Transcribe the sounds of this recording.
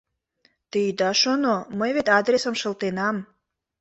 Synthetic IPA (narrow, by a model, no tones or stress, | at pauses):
t̪ijd̪ɑʃonoməjβet̪ɑd̪ɾesəmʃə̆lt̪enɑm